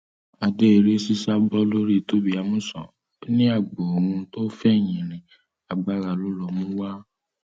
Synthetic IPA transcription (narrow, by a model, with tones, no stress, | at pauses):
a˧de˦e˧ɾe˦si˦sa˦bɔ˦lo˦ɾi˦˨to˦bi˦a˧mũ˦sɔ̰̃˨˦ | nĩ˦a˦˨ɡ͡bo˨o˨ũ˧to˦fɛ˦˨j̃ĩ˨ɾ̃ĩ˨ | a˨ɡ͡ba˨˦ɾa˧˨lo˦lɔ˦˨mũ˦wa˦